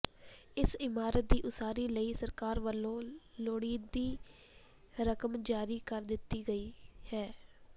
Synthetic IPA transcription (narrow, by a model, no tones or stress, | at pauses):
ɪsɪmaːɾət̪̚d̪iːʔʊsaːɾiːləiːsəɾkaːɾʋəlːõːloːɽiːd̪iː | ɾəkəmd͡ʒaːɾiːkəɾd̪ɪt̪ːiːɡəiːhɛː